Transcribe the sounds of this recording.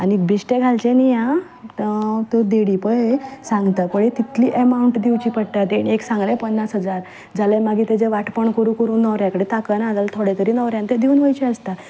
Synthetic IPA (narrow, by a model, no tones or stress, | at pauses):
anbiɕʈeɡʱalt͡ɕẽnijã | t̪od̪eɽipəesãŋɡt̪apəɽet̪it̪liːʔəmauɳʈd̪iwt͡ɕiːpəɽʈ̪at̪enieksãŋɡlepənːasɦəd͡zaɾ | d͡zalemaɡʱiːt̪ed͡zeʋaʈpəɳkəɾũkəɾuːnːəʋɾjakəɽet̪akənaːd͡zalt̪ʰoɽet̪əɾiːnəʋɾjãnt̪ed̪iuːnʋəjt͡ɕeəst̪a